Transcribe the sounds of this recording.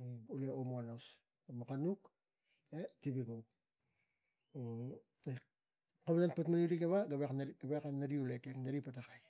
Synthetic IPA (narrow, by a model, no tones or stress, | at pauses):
uleomoanos | makanuk | etibiɡow | kaβananpatmaɾiuɾiɡeβaɡaβekɡaβekanaɾiulekekndaɾipatakaj